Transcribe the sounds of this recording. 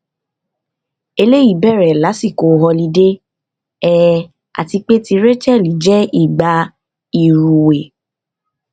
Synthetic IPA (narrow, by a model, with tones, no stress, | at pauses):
e˧le˦ji˦˨bɛ˦˨ɾɛ˨la˨˦si˦˨ko˨˧ɦɔ˧li˨˧˦de˦ | ɛ˦ | a̰˨ti˧k͡pe˦ti˧ɾe˦t͡ʃɛ˦˨li˨˦d͡ʒɛ˦i˦˨ɡ͡ba˨˦ | i˨ɾu˨we˨